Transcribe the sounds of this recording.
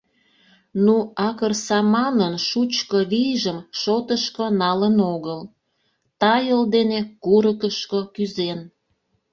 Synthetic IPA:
nuɑkərsɑmɑnənʃut͡ɕkoβijʒəmʃot̪əʃkonɑlənoɣəl | t̪ɑjəld̪enekuɾəkəʃkokyzen

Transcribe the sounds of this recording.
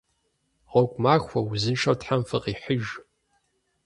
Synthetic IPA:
ʁokʷʼmaːxʷɐwzɨnʂɐwtħamfɨqiːħəʒ

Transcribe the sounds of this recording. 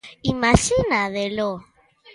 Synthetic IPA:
imaʃinaðelo

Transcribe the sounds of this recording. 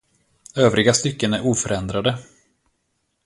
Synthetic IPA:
øːvɾɪɡast̪ʏkːənæɾʔuːfœɾɛnd̪ɾad̪ə

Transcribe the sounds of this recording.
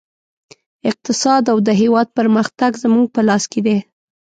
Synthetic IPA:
ɪq̚t̪ɪsɑd̪awd̪əɦewɑd̪̚pəɾməxt̪aɡzəmuŋɡ̚pəlɑsked̪e

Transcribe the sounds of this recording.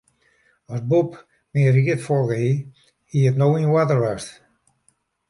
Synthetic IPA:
ɔsbup | miərikətfɔlɡəhi | hiːətnowiwatərʋast

